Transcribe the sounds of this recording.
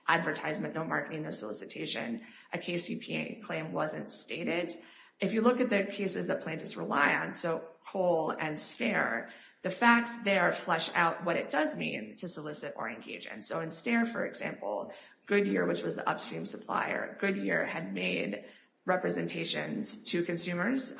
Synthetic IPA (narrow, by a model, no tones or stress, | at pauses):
ʔædvə˞tʰaɪzmɨ̃nnoʊmɑɹkəɾɪ̃ŋnoʊsəlɪsɨtʰeɪʃɨ̰̃n | ʔɨkʰeɪsipʰiḛkʰl̥ẽɪ̃mwʌzɨ̃ntsteɪɾɪd | ɨfjɨlʊkɨt̪̚ðɨkʰeɪsɨzðɨt̚pʰl̥æ̃ntɨsɹəla̰ɪɨ̃nsoʊkʰoʊlˠɨ̃nstɛɹ | ðɨfæk̚tsðə˞flɛʃa̰ʊt̚wʌɾɨt̚d̥ʌzmḭ̃ntʰɨsəlɪsɨɾə̰˞ɨ̃nɡḛɪd͡ʒɨ̰̃nsoʊɨ̃nstɛɹfə̰˞ɨ̰ɡz̥æ̰̃mpl̩ˠ | ɡ̥ʊd̚jɪɹwɨt͡ʃwʌzðḭʔʌ̰pskɹ̥ĩmsəpʰl̥a̰ɪə̰˞ɡʊd̚jɪɹɨd̚meɪd | ɹɛpɹɨzɨ̰̃ntʰeɪʃɨ̃nz̥tʰɨkʰɨ̃nsʉ̃mə˞z̥